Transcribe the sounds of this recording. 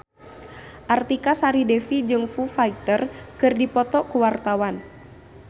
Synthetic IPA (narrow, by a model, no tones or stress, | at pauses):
ʔart̪ikasaɾidefid͡ʒɨŋfufait̪ərkɨrdipɔt̪ɔʔkuwart̪awan